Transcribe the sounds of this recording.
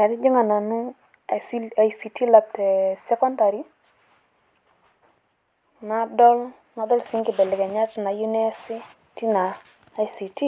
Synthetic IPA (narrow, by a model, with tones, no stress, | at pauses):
ka˨dɪ˦d͡ʒi˦ŋa˨na˨nu˦ | a˨isi˨ti˦la˨p̚tɛ˨sɛ˦kɔ˦nda˨ɾi˦ | na˨dɔ˦l | ŋa˨dɔ˦lsi˦ŋkɪ˨bɛ˨lɪ˨ka˨ɲa˦tna˨ju˦nɛ˦si˦ | ti˦naː˨˦ | jsi˨ti˦